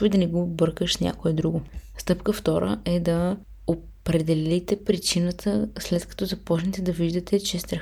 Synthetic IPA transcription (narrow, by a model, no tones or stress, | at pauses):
ʊid̪ɐnɛɡobɤɾkəʃsnʲa̰koɛd̪ɾuɡʊst̪ɤpkəft̪ɔɾə̰ʔɛd̪ɐ | opɾɛd̪ɛlit̪ɛpɾit͡ʃinət̪ʰəslɛt̪kɐ̥t̪ɔzɐpɔt͡ʃnɛt̪ɛd̪ɐviʒd̪ɐt̪ɛt͡ʃɛst̪ɾɐ